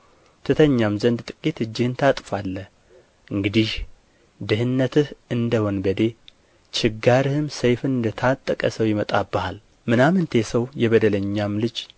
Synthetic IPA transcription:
t̪ʰɨt̪ʰəɲːamzənd̪t̪ʼɨkʼit̪ɨd͡ʒːɪhɨnt̪ʰat̪ʼfalːə | ʔɨŋɡɨd̪ih | d̪ɨhɨnːət̪ʰɨhɨnd̪əwonbəd̪e̞ | t͡ʃʰʼɪɡːaɾɨhɨmsəjfɨnɨnd̪ət̪ʰat̪ʼːəkʼəsəwjɪmət̪ʼabːəhal | mɨnamɨnt̪ʰe̞səwjɛβəd̪ələɲːamlɨd͡ʒ

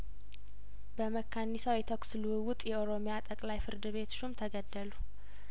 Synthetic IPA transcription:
bəməkːanːisawjɛt̪ʰoksɨlɨwɨwʊt̪ʼjɛoɾo̞mjat̪ʼəkʼlajfɨɾd̪ɨβe̞t̪ʰʃumt̪ʰəɡəd̪ːəlu

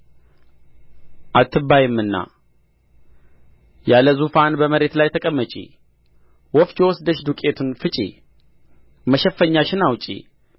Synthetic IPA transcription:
ʔat̪ʰːɨbajɪmːɨnːa̰ | jaləzufanbəməɾe̞t̪lajt̪ʰəkʼəmːət͡ʃʼḭ | wɔft͡ʃowɔsd̪əʃd̪ukʼe̞t̪ʰunfɨt͡ʃʼḭ | məʃɛfːəɲːaʃɪnawt͡ʃʼḭ

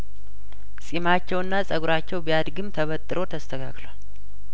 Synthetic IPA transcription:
sʼimat͡ʃːɛwɨnːasʼəɡuɾat͡ʃːɛwbijad̪ɡɨmt̪ʰəβət̪ʼːɨɾʔo̞t̪ʰəst̪ʰəkʰa̰klal

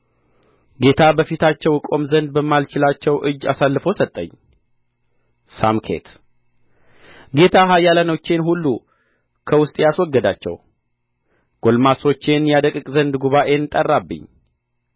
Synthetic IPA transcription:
ɡe̞t̪ʰabəfit̪ʰat͡ʃːɛwɨkʼo̞mzənd̪̚bəmːalt͡ʃɪlat͡ʃːɛwʔɨd͡ʒːasalːɨfosət̪ʼːəɲː | samkʰe̞̰t̪ | ɡe̞t̪ʰaɦajːalənot͡ʃːe̞nɦulːu | kʰəwʊst̪ʼjaswɔɡːəd̪at͡ʃːɛ̰w | ɡ̥o̞lmaso̞t͡ʃːe̞njad̪əkʼɨkʼzənd̪ɡuβaʔe̞nt̪ʼərːabːɨ̰ɲː

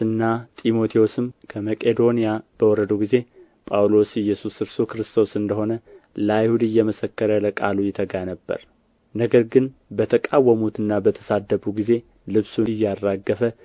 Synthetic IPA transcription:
ɨnːat̪ʼimo̞t̪ʰiosɨmkʰəməkʼe̞d̪o̞nijab̥əwɔɾəd̪uɡize̞ | pʼawlo̞sɪjːɛsuskɨɾst̪ukɾɨst̪ʰo̞sɨnd̪əɦo̞nəlajhud̪ɨjːɛməsəkːəɾələkʼalujɛt̪ʰəɡanəbːə̰ɾ | nəɡəɾɡɨnbət̪ʰəkʼawːəmut̪ɨnːabət̪ʰə̥sad̪ːəbuɡize̞ | lɨβsuɨjːarːaɡːəfə

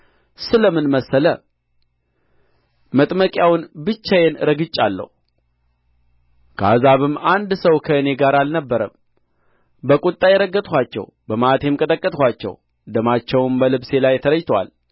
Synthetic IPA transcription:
sɨləmɨnməsːələ | mət̪ʼməkʼjawnbɨt͡ʃːajenɾəɡɨt͡ʃʼːalːə̰h | ɡ̥ʰa̰zaβɨmand̪səwkʰəɨne̞ɡaɾalnəbːəɾə̰m | bəkʼut̪ʼːajɛɾəɡːət̪ʼhʷat͡ʃːɛ̰w | bəmaʔt̪ʰjemkʼət̪ʼəkʼːət̪ʼhʷat͡ʃːɛ̰w | d̪əmat͡ʃːɛwmbəlɨβse̞lajt̪ʰəɾəjt̪ʰwa̰l

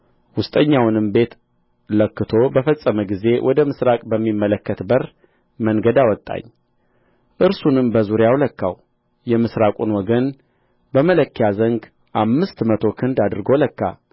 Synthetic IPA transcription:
wʊst̪ʼəɲːawnɨmbe̞t̪ | ləkːɨt̪ʰo̞bəfəsʼːəməɡize̞wʔɔd̪əmɨsɾakʼbəmːimːələkːət̪bəɾ | mənɡəd̪awɔt̪ʼːa̰ɲː | ʔɨɾsunɨmbəzuɾjawləkːaw | jɛmɨsɾakʼunwɔɡən | bəmələkːijazəŋɡ | ʔamːɨst̪mət̪ʰo̞kʰɨnd̪ad̪ɾɨɡo̞ləkːa̰

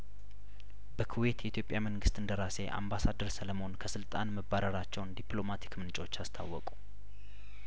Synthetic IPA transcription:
bəkʰuwe̞t̪jɛʔit̪jo̞pʼjaməŋɡɨst̪ɨnd̪əɾase̞ʔa̰mbasad̪əɾsələmo̞nkʰəsɨlt̪ʼanməbːaɾəɾat͡ʃːɛwnd̪iplo̞mat̪ʰi̥kmɨnt͡ʃʼot͡ʃːast̪ʰa̰wːɔkʼu̥

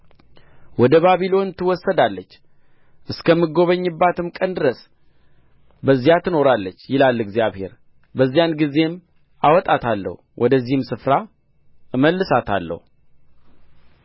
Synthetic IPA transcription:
wɔd̪əβaβilo̞nt̪ʰɨwɔsːəd̪alːət͡ʃː | ʔɨskʰəmːɨɡo̞βəɲːɨbːat̪ʰɨmkʼənd̪ɨɾəs | bəzːijat̪ʰɨno̞ɾalːət͡ʃːjɪlalːɨɡzijaβhe̞̰ɾ | bəzːijanɡize̞m | awɔt̪ʼat̪ʰalːə̰h | wʔɔd̪əzːihɨmsɨfɾa | ɨməlːɨsat̪ʰa̰lːə̰hu

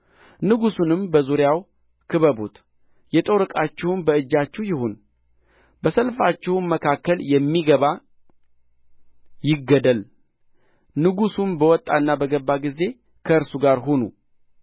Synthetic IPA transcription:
nɨɡusunɨmbəzuɾjaw | kʰɨβəbot̪ | jɛt̪ʼo̞ɾɨkʼat͡ʃːɪhʊnbəɨd͡ʒːat͡ʃːɛwjɪhon | bəsəlfat͡ʃːɪhʊnməkʰakːəljɛmːiɡəβa | jɪɡːəd̪əl | nɨɡusunbəwɔt̪ʼːanːabəɡəbːaɡize̞ | kʰəɨɾsuɡaɾɦo̞nṵ

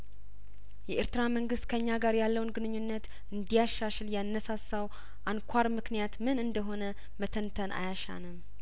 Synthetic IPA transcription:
jɛʔeɾt̪ɨɾaməŋɡɨst̪kʰəɨɲːaɡaɾjalːəwnɡɨnɨɲːunːət̪ | ɨnd̪ijaʃːaʃɨljanːəsasːaw | ʔankʷʰaɾmɨknijat̪mɨnɨnd̪əɦo̞nə | mət̪ʰənt̪ʰənʔa̰jaʃa̰nɨm

